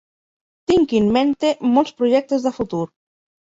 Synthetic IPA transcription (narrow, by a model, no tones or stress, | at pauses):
t̪iŋkinment̪emɔlˠspɾuʒɛk̚t̪ezðəfut̪uɾ